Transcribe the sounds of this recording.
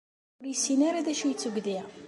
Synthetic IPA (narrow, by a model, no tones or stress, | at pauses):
ʊɾjəsinaɾaðæʃijət͡sːəɡðiʁ